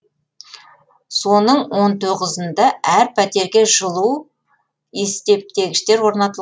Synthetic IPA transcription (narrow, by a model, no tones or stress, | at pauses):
so̞nəɴwo̞nt̪ʰo̞ʁəzənd̪ɑʔæɾpʰæt̪e̞ɾɡʲe̞ʒəlˠu | est̪e̞p̚t̪e̞ɡʲɪʃt̪e̞ɾwo̞ɾnɑt̪əlˠ